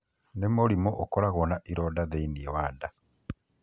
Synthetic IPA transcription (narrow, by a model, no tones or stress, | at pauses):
nemolimoʔːkolaɣonaʔiɾodaðeiniewaːda